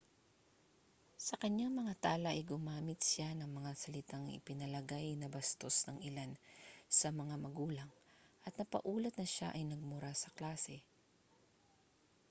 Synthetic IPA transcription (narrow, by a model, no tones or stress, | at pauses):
sɐkɐɲaŋmɐŋat̪aːlɐʔɐjɡʊmaːmɪt̪sanɐŋmɐŋasɐlɪt̪aŋɪ̰pɪnɐlɐɡajnɐbɐst̪o̞snɐŋʔɪlansɐmɐŋamɐɡuːlɐŋʔɐt̪̚nɐpɐ̰ʔuːlɐt̪̚nɐʃa̰ʔɐjnɐɡ̚mʊɾasɐklaːsɛ